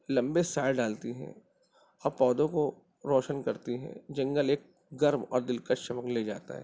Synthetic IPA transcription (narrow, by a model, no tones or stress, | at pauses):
lɐ̃mbesaːɖaːlt̪iɦɛ̰̃ː | ɐpɔːd̪õko | ɾɔːʃənkɐɾt̪iɦɛ̰̃d͡ʒɐ̃ŋɡəleːk̚ | ɡɐɾmɔ̰ːɾd̪ɪlkəʃɐməkled͡ʒaːt̪a̰ɦɛ̰ː